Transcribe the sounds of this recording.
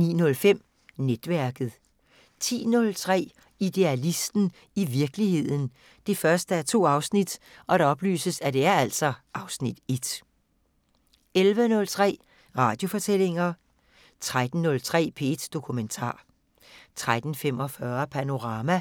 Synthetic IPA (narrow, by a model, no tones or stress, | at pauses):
nḭːnɔ̽lfem̰ | ned̥ʋæɐɡ̥ð̩ˠ | t͡sʰḭːnɔ̽lt͡sʰʁɛ̰ː | id̥e̝ælisd̥n̩ | iʋiɐɡ̥lihe̝ð̰ˠn̩ | d̥e̝fɶɐsd̥əæɐt͡sʰo̝̰ːɑ̈ʊsnid̥ʔɒ̽ɾ̥ɑ̈ɒ̽b̥ly̰ːsəsæd̥e̝æɐæl̰sɒ̽ʔɑ̈ʊsnid̥e̝d̥ | elʋənɔ̽lt͡sʰʁɛ̰ː | ʁɑ̈ːd̥jo̝fɒ̽t͡sʰel̰e̝ŋɐ | t͡sʰʁad̥n̩nːɔ̽lt͡sʰʁɛ̰ːpʰe̝d̥d̥o̝kʰument͡sʰɑ̰̈ː | t͡sʰʁad̥n̩fem̰ɒfɶːɐpʰæno̝ʁɑ̈ːmæ